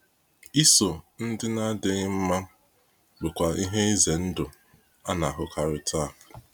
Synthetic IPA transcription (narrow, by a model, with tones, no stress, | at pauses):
i˦so˨n̩˦dɪ˦na˦de˦ɣɪ˦m̩˦ma˦ | ɡ͡bʊ˨kʷa˨i˦ɦe˦i˦ze˨n̩˦dʊ˨ | a˦na˨a˨ɦʊ˨kʰa˨ɾɪ˨tʰa˦˨